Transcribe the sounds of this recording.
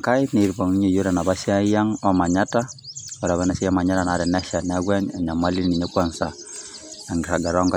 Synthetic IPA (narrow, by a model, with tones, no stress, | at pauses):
ka˦i˦ne˨ɾpo˨ŋi˦ɲo˨jo˦ɾa˨na˨βa˦sja˦ja˦ŋɔ˦ma˨ɲa˦ta˦o˨ɾa˨βa˦na˨si˦ja˦ma˨ɲa˦ɾa˨na˨ɾɛ˨nɛ˦ʃa˨n˦a˦ɡwɛ˦na˨ɲa˨ma˦li˦ni˨ɲe˦kwa˨nsa˨ | a˨ŋɡi˨ɾa˨ɡa˨ɾɔ˦ŋka˦